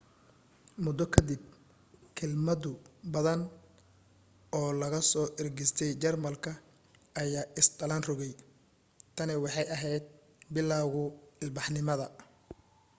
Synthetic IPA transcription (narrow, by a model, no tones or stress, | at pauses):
mʊd̪ɔkʰɐd̪ɪb̚ | kʰɛlmɐd̪ʊbɐðɐn | ɔːlɐɣɐsɔːʔɛrɡɛst̪ʰɛjt͡ʃɐrmɐlkʰɐ | ɐjaːʔɪst̪ɐlɐnrɔɣɛj | t̪ʰɐnɪwɑħɑjɐɦɛjd̪̚ | bɪlːaɣʊɪlbɑħnɪmɐðɐ